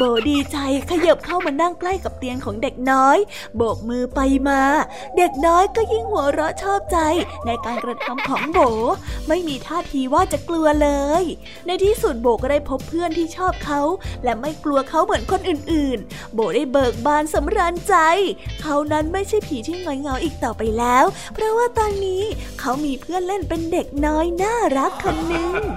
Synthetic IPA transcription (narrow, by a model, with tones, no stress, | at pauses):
boː˩˦diː˧t͡ɕa˧jkʰa˧ja˨˩p̚kʰa˥˩wmaː˧na˥˩ŋkla˥˩jka˨˩p̚t̪i˧ənkʰɔː˩˦ŋde˨˩k̚nɔː˦˥j | boː˨˩k̚mɯː˧pa˧jmaː˧ | de˨˩k̚nɔː˦˥jkɔː˥˩ji˥˩ŋhu˨˩˦ɾɔ˦˥t͡ɕʰɔː˥˩p̚t͡ɕa˧jna˧jkaː˧nkɾa˧t̪ʰa˦˥mkʰɔː˩˦ŋboː˨˩˦ma˥˩jmiː˧t̪ʰaː˥˩t̪ʰiː˧waː˥˩t͡ɕa˨˩ʔklu˧ɐlɤː˧j | na˧jt̪ʰiː˥˩su˨˩t̪̚boː˨˩kɔː˥˩daː˥˩jpʰo˦˥pʰːɯ˥˩ənt̪ʰiː˥˩t͡ɕʰɔː˥˩p̚kʰa˦˥wlɛ˦˥ma˥˩jklu˧ɐkʰa˦˥wmɯ˨˩˦ənkʰo˧nʔɯː˨˩nʔɯː˨˩n | boː˨˩daː˥˩jbɤː˨˩k̚baː˧nsa˩˦mɾaː˧nt͡ɕa˧jkʰa˦˥wna˦˥nma˥˩jt͡ɕʰa˥˩jpʰiː˩˦t̪ʰiː˥˩ŋɔː˨˦jŋa˧˦wʔiː˨˩k̚t̪ɔː˨˩pa˧jlɛː˦˥w | pʰɾɔ˦˥waː˥˩t̪ɔː˧nːiː˦˥kʰa˦˥wmiː˧pʰɯ˥˩ənle˥˩npe˧nde˨˩k̚nɔː˦˥jnaː˥˩ɾa˦˥kʰːo˧nːɯ˧ŋ